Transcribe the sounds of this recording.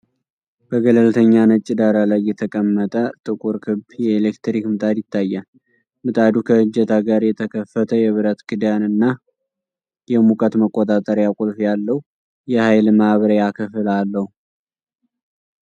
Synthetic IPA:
b̥əɡələlt̪ʰəɲːanət͡ʃʼːɪd̪aɾalajːɛt̪ʰəkʼəmːət̪ʼət̪ʼɨkʼuɾkʰɨbjɛelekt̪ɾikmɨt̪ʼad̪jɪt̪ʰːajːa | mɨt̪ʼad̪ukʰəhɨd͡ʒɛt̪ʰaɡaɾjɛt̪ʰəkʰəfːət̪ʰəjɛβɨɾət̪ɡɨd̪janɨnːa | jɛmukʼət̪məkʼːot̪ʼat̪ʼəɾjakʼulfjalːəhu | jɛhajlmahβəɾəjakʰɨfɨlalːəhu

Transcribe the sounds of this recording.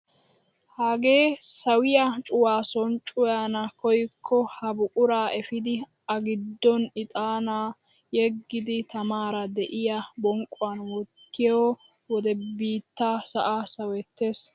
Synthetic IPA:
haːɡe̞ːsɐwɪjɐt͡ʃʼʊwaːsɔnt͡ʃʼʊjaːnɐkɔjkʰːɔhɐbʊkʼʊɾaːʔɛfɪd̪ɪ | ʔɐɡɪd̪ːɔnɪt̪ʼaːnaː | jɛɡːɪd̪ɪt̪ɐmaːɾɐd̪ɛʔɪjɐbɔŋkʼːʊwanwɔtːɪjoː | wɔd̪ɛbiːt̪ːaːsɐʔasɐwɛt̪ːe̞ːs

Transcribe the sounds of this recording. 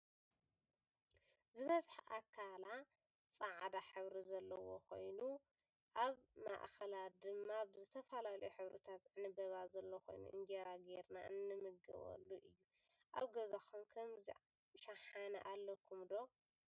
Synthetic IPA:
zɨβɐzʼħʔakʰːala | t͡sʼaʕd̪aħɨβɾizɐlːɐwo̰kʰo̞̰jnu | ʔaβma̰ʔxɐlad̪ɨmːabɨzɨt̪ʰɐfɐlalɐjuħɨβɾɨ̰t̪ʰat̪zɨʕnibɐβazɐlːoxo̞̰jnṵʔɨ̰ŋɡeɾaɡeɾnaɨnːɨmɨɡɐ̰βɐ̰lːuʔɨjːu | ʔaβɡɐzaxʰumkʰɐmzḭ | ʃaħanɐ̰ʔalːɐkʰumd̪o̞

